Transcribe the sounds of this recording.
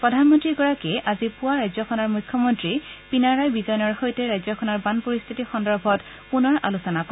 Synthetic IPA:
pɹɔdʱanmɔntɹiɡɔɹakɛʔazipuaɹajzɔkʰɔnɔɹmujkʰːɔmɔntɹipinaɹajbizɔjnɔɹxojtɛɹajzɔkʰɔnɔɹbanpoɹist̪ʰitixɔndɔɹbʱɔt | punɔɹa̰lusɔnakɔ

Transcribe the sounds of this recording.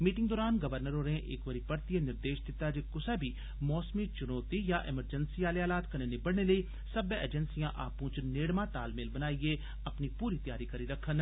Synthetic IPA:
miːʈɪ̃ŋɡd̪ɔːɾaːnɡɐʋəɾnəɾoːɾẽʔḛːkʋəɾipɐɾt̪ienɪɾd̪eːʃd̪ɪt̪ːad͡ʒekʊsɛbʱi | mɔːsmit͡ʃʊnoːt̪ijaʔɪməɾd͡ʒənsiaːleaːlaːt̪kɐnenɪbəɽneləi | sɐbḛːd͡ʒənsijãʔa̰ːpũːt͡ʃneːɽmãt̪aːlmeːlbɐnaːie | ɐpnipuːɾit̪jaːɾikɐɾiɾɐkʰːən

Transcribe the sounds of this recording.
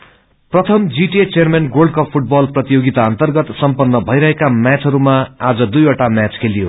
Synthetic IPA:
prʌt̪ʰʌmd͡ziʈet͡sermenɡolɖkʌpʰuʈ̚bʌlprʌt̪ijoɡit̪aʌnt̪ʌrɡʌt̪sʌmpʌnːʌbʱʌjɾʌɦekamjat͡sɦʌɾumaad͡zʌd̪ujoʈamjat͡skʰelijo̰

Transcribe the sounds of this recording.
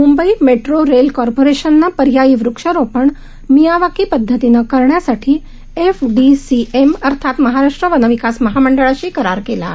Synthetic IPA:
mumbəimeʈɾoɾelkɔɾpoɾeʃənːapəɾjaiʋɾʊkʃəɾopəɳ | mijaʋakipəd̪ʱːət̪inəkəɾɳjasəʈʰi | efɖisieməɾt̪ʰat̪məɦaɾaʂʈɾəʋənəʋikasməɦaməɳɖəɭəʃikəɾaɾkela̰

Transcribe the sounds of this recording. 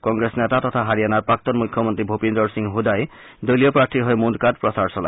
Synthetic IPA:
kɔŋɡɹesnɛtat̪ɔt̪ʰaɦaɹijanaɹpɹak̚t̪ɔnmukʰjɔmɔnt̪ɹibʱupindɔɹsiŋɦud̪aj | dojlijɔpɹaɹtʰiɦɔjmund̪kad̚pɹɔsaɹsɔla̰j

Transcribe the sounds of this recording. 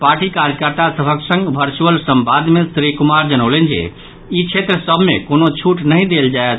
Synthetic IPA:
paɾʈikaɾjəkəɾt̪asəbʱəksə̃ŋɡbʱəɾt͡ʃuəlsəmbad̪mesɾikumaɾd͡ʒənəʊlənd͡ʒḛ | it͡ʃʰet̪ɾəsəbʱmḛkonot͡ʃʰuʈnəɦĩd̪eld͡ʒaet̪

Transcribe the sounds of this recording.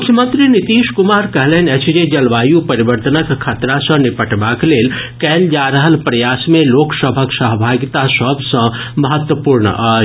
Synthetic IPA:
mʊkʰjəmə̃nt̪ɾinit̪iːʃkʊmaːɾkɐɦleːnɛt͡ʃʰd͡ʒed͡ʒɐlʋaːjupɐɾiʋəɾt̪ənəkʰːət̪ɾasɐ̃nipəʈbaːkleːlkɛːld͡ʒaːɾəɦəlpɾɐjaːsmẽloːksəbʱəksəɦbʱaːɡt̪asəbʱsɐ̃ | mɐɦət̪wəpuːɾɳə̰ʔaː

